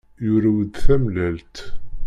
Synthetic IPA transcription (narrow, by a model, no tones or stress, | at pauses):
jʊɾæwəd̪θæmlælt̪